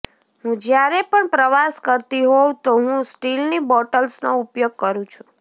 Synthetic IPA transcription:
ɦũd͡ʒjaɾepəɳpɾəʋaskəɾt̪iɦowt̪oɦũsʈilnibɔʈəlsnoupjoɡ̚kəɾũt͡ʃʰũ̥

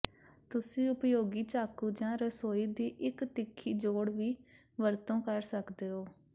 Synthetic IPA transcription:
t̪ʊsĩːʊpjoːɡiːt͡ʃaːkuːd͡ʒãːɾəsoːiːd̪iːʔɪkt̪ɪkʰːiːd͡ʒoːɽʋiː | ʋəɾt̪õːkəɾsəkd̪eːɦoː

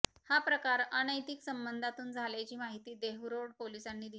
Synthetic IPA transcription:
hapɾəkaɾənəjt̪iksəmbənd̪ʱat̪uːnd͡zʱalat͡ɕiːmaɦit̪iːd̪eɦɾoɽpolisanːiːd̪i

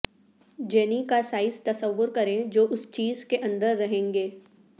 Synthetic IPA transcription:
d͡ʒɛːnikasaːɪzt̪ɐsəʋːʊɾkɐɾẽd͡ʒoːʔʊst͡ʃiːzkeʔɐ̃nd̪əɾːɐɦẽːŋɡeː

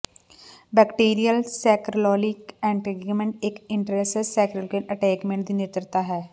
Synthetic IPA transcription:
bɛkʈiːɾijəlsɛːkɾolɔːlɪkɛ̃ːɳʈiɡmẽɳʈ̚ɪkɪ̃ɳʈɾesessɛːkɾəlkəəʈɛːkmẽɳʈ̚d̪iːnɪt̪ɾət̪aɦɛː

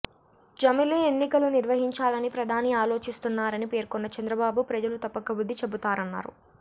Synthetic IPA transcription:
d͡ʒɐmileenːikɐluniɾʋɐɦiɲt͡ʃaːlɐnipɾɐd̪ʱaːniaːlo̞ːt͡ʃist̪unːaːɾɐnipe̞ːɾkɔnːɐt͡ʃɐnd̪ɾɐbaːbupɾɐd͡ʒɐlut̪ɐpːɐkɐbud̪ʱːit͡ʃe̞but̪aːɾɐnːa̰ːɾṵ

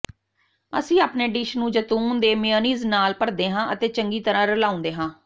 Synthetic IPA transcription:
ə̰sĩːaːpneːɖɪʃnũːd͡ʒət̪uːnd̪eːmɪjəːniːznaːlpəɽd̪eːɦãːʔət̪eːt͡ʃəŋɡiːt̪əɾãːɾəlaːʊ̃nd̪eːɦãː

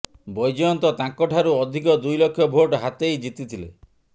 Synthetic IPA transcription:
bɔjd͡ʒɔjɔnt̪ɔt̪ãŋkɔʈʰaɾuɔd̪ʱikɔd̪ujlokʰːjɔbʱoʈɦat̪ejd͡ʒit̪it̪ʰile

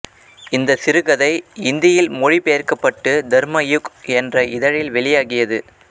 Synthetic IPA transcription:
ɪnd̪ɐsɪɾɯɣɐðɐɪɪnd̪ɪjɐjɪlmɔɻipɛjɐrkɐpːɐʈːɯd̪ɐɾmɐjʊkɛndrɐɪðɐɻɪlʋɛɭɪjaːɣɪjɐðɯ

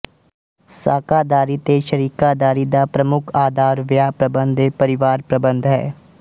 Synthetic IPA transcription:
saːkaːd̪aːɾiːt̪eːʃəɾiːkaːd̪aːɾiːd̪aːpɾəmʊkʰaːd̪aːɾʋɪjaːpɾəbənd̪eːpəɾɪʋaːɾpɾəbənd̪ɦɛ̰ː

